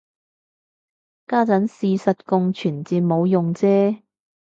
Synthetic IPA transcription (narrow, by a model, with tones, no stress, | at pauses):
kaː˥t͡sɐ˨˥nsiː˧sɐ˨t̚kʊ˧ŋt͡ʃʰyː˨˩nt͡siː˧mo˨˧wjʊ˨ŋt͡sɛː˥